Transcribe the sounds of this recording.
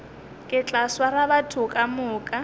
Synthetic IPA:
kʼɪt͡ɬʼaswarabatʰʊkʼamʊːkʼa

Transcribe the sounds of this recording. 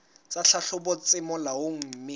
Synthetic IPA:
t͡sʼaɬʰaɬʊbʊt͡sʼɪmɔlawoŋ̩mɪ

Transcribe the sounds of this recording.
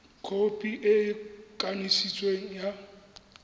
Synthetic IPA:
kʰopʼiʔɪkʼanisit͡sʼweŋ̩ja

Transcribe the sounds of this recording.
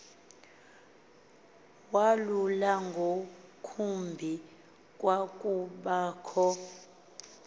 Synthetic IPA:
walulaŋɡʱokʰumbʱi | k̬ʼwakʼuɓaːkʰɔ

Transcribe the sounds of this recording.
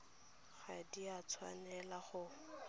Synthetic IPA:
χadiat͡sʰwa̰nɛlaχʊ

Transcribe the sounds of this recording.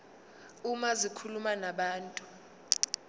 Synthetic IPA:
umazikʰulumanaɓaːntʼu

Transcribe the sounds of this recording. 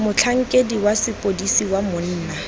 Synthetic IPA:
mʊt͡ɬʰaŋ̩kʼediwasɪpʼodisiwamʊn̩ːna

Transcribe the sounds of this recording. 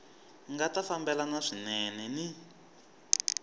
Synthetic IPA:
ŋɡatafambɛlanaʂinɛnɛni

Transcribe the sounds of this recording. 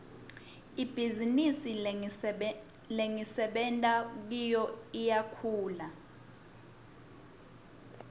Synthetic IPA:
ib̥ʱizinisi | leŋisɛɓɛntʼak̬ijɔijakʰuːla

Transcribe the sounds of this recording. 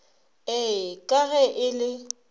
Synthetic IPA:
ɛkʼaɣɛʔɪlɪ

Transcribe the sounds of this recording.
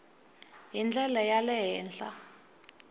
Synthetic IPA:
jind͡ɮɛlajalɛɦɛːnɬa̰

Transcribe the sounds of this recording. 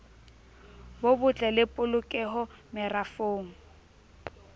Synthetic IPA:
bobʊt͡ɬʼɛlɪpʼʊlʊkʼɛɦɔmɪrafoːŋ̩

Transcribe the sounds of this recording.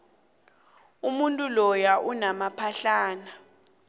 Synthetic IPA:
umuntʼulɔjaʔunamapʰaɬaːna

